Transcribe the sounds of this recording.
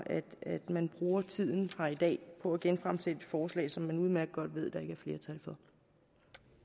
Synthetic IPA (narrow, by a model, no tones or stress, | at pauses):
ʔæd̥æd̥mænb̥ʁuːɐt͡sʰið̞̰ˠn̩hɑid̥ɛ̰ːpʰɒ̽æɡ̥enfʁamsed̥e̥fɒːslɛ̰ːɪsɒ̽mːænuːð̞̩ˠmæɐɡ̥̚ɡ̥ɒ̽d̥ʋe̝ð̞̰ˠd̥ɑ̈e̝ɡ̥əæɐfle̝ːɐt͡sʰælfɒ̽